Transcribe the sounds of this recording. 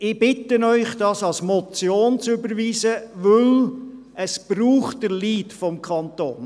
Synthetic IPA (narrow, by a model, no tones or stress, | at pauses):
ɪb̥ɪtːənœʏχd̥ɑsɑlsmɔt͡sjoːnt͡sʏbəɾʋiːsəʋɵl | əsb̥ɾuːχt̚d̥əɾliːtfɔmkʰχɑnt̪o̰ːn